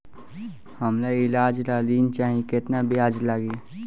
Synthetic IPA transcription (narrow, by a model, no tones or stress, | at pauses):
həmlaɪlaːd͡ʒlaliːnt͡ʃaːɦĩkɪt̪nabiaːd͡ʒlaɡi